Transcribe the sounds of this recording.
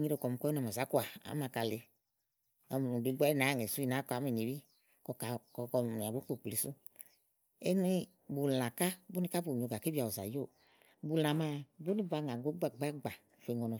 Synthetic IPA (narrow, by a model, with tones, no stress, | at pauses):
ɲi˧ɾo˨kɔ˨m˨kɔ˦i˦na˨m˨a˨za˨˦ku˦a˨a̰˨˦ma˧˨ka˨le˧ | a˧˨m˨du˧˦ɡ͡ba˦na˨˦ŋe˨su˦i˧na˨˦ka˨˦m˦i˨ni˨wi˦ | kɔ˧ka˨kkɔ˧˨a˨ɡo˨˦k͡po˨k͡pi˨su˦ | e˦nu˦i˦ | bu˨la˨ka˦bu˦ni˧ka˦bu˨i˨o˨ɡa˨ke˦bi˦a˨o˨za̰˨jo˦˨ | bu˧˨la˨ma˧˨bu˦ni˦ba˧ŋa˨ɡo˨˦ɡ͡ba˨ɡ͡ba˦ɡ͡ba˨fe˨ŋɔ˨nɔ˨